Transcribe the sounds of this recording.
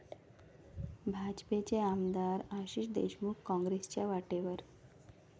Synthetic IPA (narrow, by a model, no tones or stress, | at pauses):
bʱad͡ʑpet͡ɕeamd̪aɾaɕiɕd̪ḛɕmukkɔ̃ŋɡɾest͡ɕjaʋaʈeʋəɾ